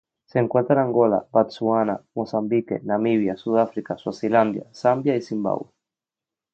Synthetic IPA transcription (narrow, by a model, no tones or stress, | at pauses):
sɛŋkwat̪aɾaŋɡɔla̰bat̪suanamɔsambikɛ̰namiβjasuðafɾikaswasiland̪ja̰sambjaisimba̰βwɛ